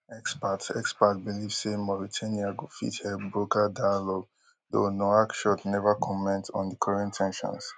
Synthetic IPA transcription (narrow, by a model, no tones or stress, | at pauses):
ɛkspatɛkspatbilivsemɔɹitʰãniaɡofḭthɛbɹokadãnlɔɡ̚ | do̰nɔakʃɔtnɛvakʰɔmɛ̃ntɔ̰̃ndikʰɔɹɛ̃ntʰːɛ̃nʃɔ̰̃ns